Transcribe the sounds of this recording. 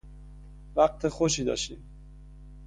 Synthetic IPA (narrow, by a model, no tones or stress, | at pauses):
væɢt̪ʰe̞xoʃ̬iːd̪ɒ̰ːʃt̪ḭːm